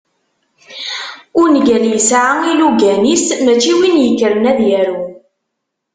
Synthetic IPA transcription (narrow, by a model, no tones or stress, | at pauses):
ʊɾnɡæljəsʕailuɡænismæt͡ʃːiwinjəkːəɾənæðjæɾu